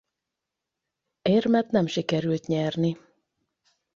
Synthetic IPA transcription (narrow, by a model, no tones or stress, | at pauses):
eːrmɛt̪nɛmʃikɛɾylt̪ɲɛrni